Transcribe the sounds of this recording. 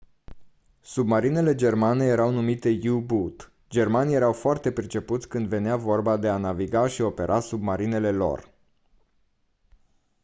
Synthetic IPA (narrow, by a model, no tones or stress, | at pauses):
submaɾine̞le̞d͡ʒe̞rmane̞je̞ɾawnumit̪e̞jubut̪ | d͡ʒe̞rmanije̞ɾawfoart̪e̞pɾit͡ʃe̞put̪sʲkɨnd̪ve̞neavo̞rbad̪e̞anaviɡaʃio̞pe̞̰ɾʔasub̚maɾine̞le̞lo̞̰r